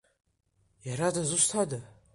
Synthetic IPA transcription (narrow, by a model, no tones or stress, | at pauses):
jaɾadazɨʃʷt̪ʰada